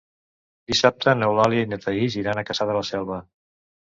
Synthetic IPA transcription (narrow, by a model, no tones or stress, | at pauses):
d̪isap̚t̪ənəwlaljiəinət̪ʰəiziɾanəkəsaðələsɛlˠβə